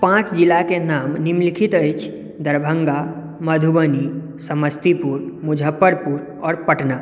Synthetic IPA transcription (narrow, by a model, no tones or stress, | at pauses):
pãt͡ʃd͡ʒilakenaːmnimlikʰit̪əjt͡ʃʰ | d̪əɾbʱəŋɡa | məd̪ʱubəni | səməst̪ipuɾmud͡ʒʱəpːəɾpuɾ | ɔːɾpəʈna